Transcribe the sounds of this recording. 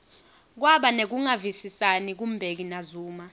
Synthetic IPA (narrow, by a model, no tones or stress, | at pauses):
k̬waɓanek̬uŋavisisanik̬um̩bʱek̬inazuːma